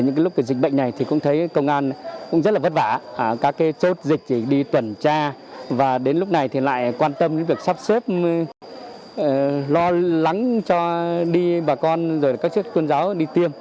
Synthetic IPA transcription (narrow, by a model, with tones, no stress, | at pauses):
ɲɨ̰˧˥ŋaː˨˦lʊ˦˥k͡p̚kːa˨˦zï˨˩k̟̚ɓə̰˧˨jŋ̟na˨˩jt̪ʰi˨˩kʊ̰˧˥ŋ͡mt̪ʰə˨˦jkə˧wŋ͡mʔaː˧nkʊ̰˧˥ŋ͡mzə˦˥t̚laː˨˩və˦˥t̚va̰ː˧˩kaː˦˥kːaː˨˦jt͡ɕo˦˥t̚zï˨˩k̚t͡ɕ̪i˧˩ɗi˧t̪wə˨˧˩nt͡ɕaː˧vaː˨˩ɗe˨˦nlʊ˦˥k͡p̚na˨˩jt̪ʰi˨˩la̰ː˧˨jkwaː˧nt̪ə˧mɲɨ̰˧˥ŋvi˨˩ək̚saː˦˥p̚se˦˥p̚ | lɔ˧la˨˦ŋt͡ɕɔ˧ɗi˧ɓaː˨˩kɔ˧nzo˨˩jkaː˦˥k̚t͡ɕɨ˦˥ək̚t̪ə˧ənzaː˨˦wɗi˧t̪i˧əm